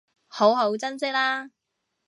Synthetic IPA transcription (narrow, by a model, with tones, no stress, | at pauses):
ho˨˥wɦo˨˥wt͡sɐ˥ns̬ɪ˥k̚laː˥